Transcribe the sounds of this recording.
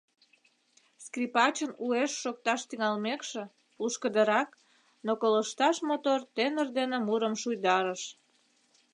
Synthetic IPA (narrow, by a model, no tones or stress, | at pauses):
skripɑt͡ɕənueʃːok̚t̪ɑʃt̪yŋɑlmekʃĕ | luʃkəd̪əɾɑk | nokoləʃt̪ɑʃmot̪ort̪enərd̪enemuɾəmʃujd̪ɑɾəʃ